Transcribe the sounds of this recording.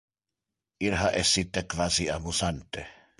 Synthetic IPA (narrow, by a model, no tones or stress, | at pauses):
iɾɦaʔɛsːit̪ːekvaːsiamusant̪e